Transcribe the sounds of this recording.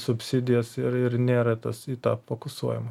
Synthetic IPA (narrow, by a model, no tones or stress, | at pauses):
sʊpʲsʲɪd̪ʲɪjɛsɪɾɪrnʲeːɾɐt̪ɐsiːt̪ɑːpfoːkʊsuɔjɪmɐ